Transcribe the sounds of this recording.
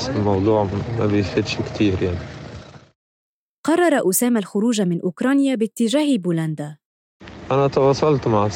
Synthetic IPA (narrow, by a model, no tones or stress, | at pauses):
sɪlmɑwd̪ˤuːʕmæbjfid̪ʃkt̪iːɾjaʕni | qɑrˤːɑɾˤɑʔʊsaːmalxʊɾuːʒamɪnʔʊkɾˤɑːnjabɪt̪ːɪʒaːhbuland̪a | ʔænæt̪ɑwɑsˤːɑlt̪maʕ